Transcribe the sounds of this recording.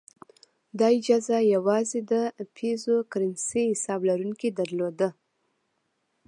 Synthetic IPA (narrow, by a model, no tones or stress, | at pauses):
d̪ɑid͡ʒɑzajawɑzed̪əpʰezokɾɪnsihɪsɑblaɾuŋked̪aɾlod̪ə